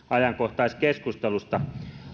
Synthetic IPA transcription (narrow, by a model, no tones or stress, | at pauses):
ɑjɑŋkoht̪ɑiskeskust̪elust̪ɑ